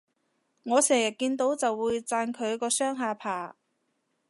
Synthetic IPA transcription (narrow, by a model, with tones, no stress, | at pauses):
ŋɔː˨˧sɛː˨˩ŋjɐ˨˩t̚kiː˧nt̪o˨˥wt͡sɐ˨wːuː˨˧jt͡saː˧nkʰɵ˨˧ɥkɔː˧sœː˥ŋɦaː˨˧pʰaː˨˩